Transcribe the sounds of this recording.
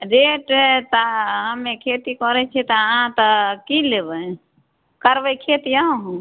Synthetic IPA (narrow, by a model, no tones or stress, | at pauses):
ɾeʈt̪aɦãmekʰet̪ikɔɾɛt͡ʃʰɛt̪ɔɦãt̪ɔkilebə | kəɾbəjkʰet̪ijaũɦ